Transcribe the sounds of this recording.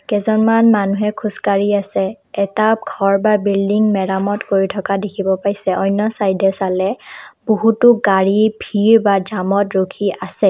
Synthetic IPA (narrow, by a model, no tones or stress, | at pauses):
kɛzɔnmanmanuɦɛkʰuskaɹiasɛː | taɡʰʱɔɹbabildiŋmɛɹamɔtkoɹitʰɔkadekʰibɔpajsɛʔɔjnːɔsajdʱɛsalɛboɦutʊɡaɹibʱiɹbad͡ʒamɔtɹokʰiasɛ